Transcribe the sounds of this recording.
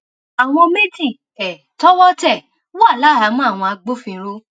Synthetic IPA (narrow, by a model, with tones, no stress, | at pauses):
a˨w̃ɔ̃˧me˦d͡ʒi˦˨ | ɛ˨ | tɔ˦wɔ˦tɛ˦˨ | wa˦˨la˨˦˨ɦa˨˦mɔ̃˦a˦˨w̃ɔ̃˧a˧ɡ͡bo˦fĩ˧˦ɾo˧